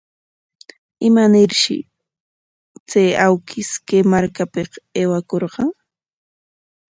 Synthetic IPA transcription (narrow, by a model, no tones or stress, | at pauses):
ɪmanɪɾʃɪ̰ | t͡sajawkʰɪskemaɾkapɪqeːwakoɾqɑŋ